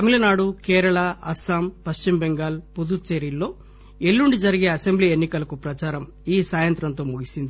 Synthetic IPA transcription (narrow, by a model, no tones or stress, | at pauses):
t̪ɐmilɐnaːɽukɛːɾɐɭɐɐsaːmpɐst͡ʃimbeŋɡaːlpud̪ut͡ʃeɾilːo̞ː | elːuɳɖid͡ʒɐɾiɡe̞ːɐsembliːenːikɐlɐkupɾɐt͡ʃaːɾɐm | iːsaːjɐnt̪ɾɐnt̪o̞ːmuɡisind̪i